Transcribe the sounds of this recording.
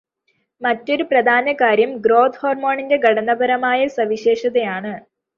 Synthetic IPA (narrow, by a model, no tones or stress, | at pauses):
mɐtːo̞ɾuprɐd̪ʱaːnɐkaːɾjɐmɡro̞ːd̪hoːrmo̞ːɳinde̞ɡʱɐɽɐnɐbɐɾɐmaːjɐsɐʋiɕe̞ːʂɐðɐjaːɳɨ